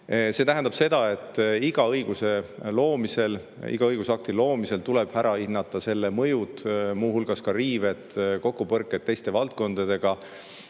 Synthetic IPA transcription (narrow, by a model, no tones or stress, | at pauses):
se̞t̪æɦænd̪ɑb̥se̞d̪ɑe̞t̪ːˑiɡ̥ɑɤjɡ̥use̞lo̞ːmise̞l | ḭɡ̥ɑɤjɡ̥usɑk̚t̪ilo̞ːmise̞lt̪uleb̥hæɾʔɑinːɑt̪ːˑɑse̞lːemɤjut̪muːɦulɡ̥ɑskɑriːve̞t̪ko̞kːˑupɤrkːˑet̪ːe̞jst̪e̞vɑlt̪̚ko̞nd̪̥ɑd̪̥e̞ɡ̥ɑ